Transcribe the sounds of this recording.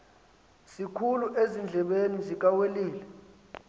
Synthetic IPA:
sikʰuluʔezind͡ɮʱɛɓenizik̬ʼaweliːlɛ

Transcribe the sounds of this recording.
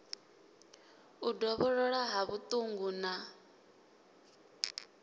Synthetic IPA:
udɔβɔɺɔɺaɦaβut̪ʼuŋɡuna

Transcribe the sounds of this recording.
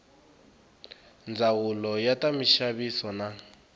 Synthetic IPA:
nd͡zawulɔjatamiʃaβisɔna

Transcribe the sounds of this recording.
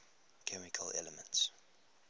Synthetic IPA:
kʰɛmɪkʰəlɛ̰ləmə̃nts

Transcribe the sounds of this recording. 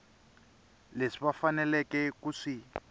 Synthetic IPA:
leʂiβafanɛlɛkɛkuʂi

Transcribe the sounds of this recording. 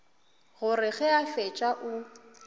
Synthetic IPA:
ɣʊɾɪɣɛafɛt͡ʃʼaʔʊ

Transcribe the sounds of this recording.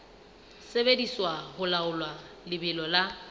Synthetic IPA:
sebediswahʊlaʊlwa | lɪbɪlɔla

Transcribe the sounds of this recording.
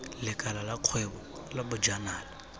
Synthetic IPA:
lɪkʼalalaq͡χʰwebɔ | labʊd͡ʒanaːla

